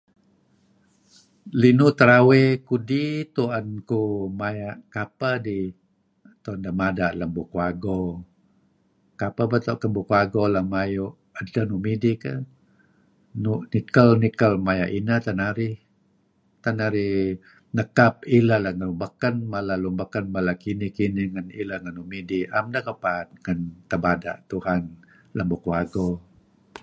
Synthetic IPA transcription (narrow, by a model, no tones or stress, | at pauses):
linut̪əɾawekudit̪uankumajaʔkapadi | t̪uandamadaʔləmbukuaɡo | kapabat̪oʔkəmbukuaɡolahmajuʔ | ətənumidikə | nuʔnikəlnikəlmajaʔinat̪anaɾi | t̪anaɾi | nəkap̚ilalahŋəlumbəkənmalalumbakənmalakinihkiniŋanilaŋanumidiamdakəpaːt̪̚ŋənt̪əbada̰ʔt̪uhan | ləmbukuaɡo